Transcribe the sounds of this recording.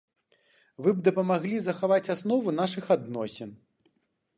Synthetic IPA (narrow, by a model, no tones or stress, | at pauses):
vɨb̚d̪ɐpɐmaɣlʲizɐxavat͡sʲasnɔvunaʂɨxad̪nɔsʲɛn